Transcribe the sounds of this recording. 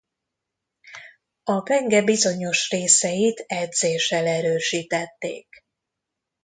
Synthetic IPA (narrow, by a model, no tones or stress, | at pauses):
ɒpɛŋɡɛbizo̞ɲo̞ʃreːsɛjit̪ɛd̪zeːʃɛlɛɾøːʃiːt̪ɛt̪ːḛːk